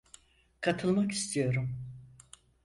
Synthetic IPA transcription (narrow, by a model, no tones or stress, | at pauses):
kʰat̪ʰɯlˠmaki̥st̪ʰijo̞ɾum